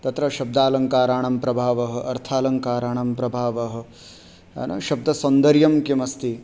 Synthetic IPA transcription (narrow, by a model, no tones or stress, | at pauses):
t̪ɐt̪ɾɐʃɐb̚d̪aːlɐŋkaːɾaːɳɐmpɾɐbʱaːʋɐɦɐ̆ɐɾt̪ʰaːlɐŋkaːɾaːɳɐmpɾɐbʱaːʋɐɦɐ̆ | ɐ̰nɐ̰ʃɐb̚d̪ʱɐsɐnd̪ɐɾjɐmkimɐst̪i